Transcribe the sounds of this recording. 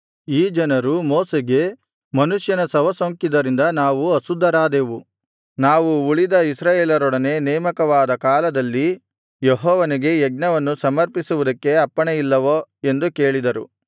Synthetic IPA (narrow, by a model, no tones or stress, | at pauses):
iːd͡ʒɐnɐɾumoːseɡe̞ | mɐnuʂjɐnɐsɐʋɐsoːŋkid̪ɐɾind̪ɐnaːʋuɐsud̪ʱːɐɾaːd̪e̞ːʋu | naːʋuːɭid̪ɐisɾaːjeːlɐɾɔɽɐne̞ːnɛːmɐkɐʋaːd̪ɐkaːlɐd̪ɐlːi | jeɦɔːʋɐniɡe̞jɛɡnɐʋɐnːusɐmɐɾpisuʋud̪ɐkːe̞ɐpːɐɳejilːɐʋoe̞nd̪uke̞ːɭid̪ɐɾṵ